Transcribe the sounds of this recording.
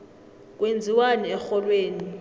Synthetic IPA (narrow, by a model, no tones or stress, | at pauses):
k̬ʼwend͡zʱiwanɛɛxɔlweːni